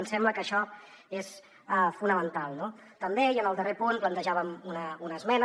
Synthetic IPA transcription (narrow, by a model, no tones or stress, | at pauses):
əmsɛmbləkəʃɔ | es | əfunəmənt̪alˠno | t̪əmbeiənəlˠd̪ərepunplənt̪əʒaβəmunəunəzmɛn